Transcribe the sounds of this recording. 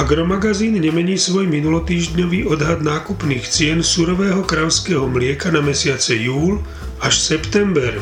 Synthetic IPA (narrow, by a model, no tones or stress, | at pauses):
aɡɾɔmaɡaziːnɲɛmɛɲiːsʋɔjminulɔt̪iːʒdɲɔʋiːʔɔd̪ɦad̪naːkupniːxt͡sɪɛnsuɾɔʋɛːɦɔkɾalskɛːɦɔmlɪɛkanamɛsɪat͡sɛjuːl | aʃsɛpt̪ɛmbɛɾ